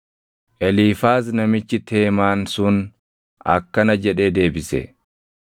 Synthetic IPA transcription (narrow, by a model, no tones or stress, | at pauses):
ʔɛliːfaːs̬nɐmɪt͡ʃːɪt̪ʰeːmaːnsʊn | ʔɐ̰kːɐnɐd͡ʒɛᶑeːd̪e̞ːbɪsɛ̰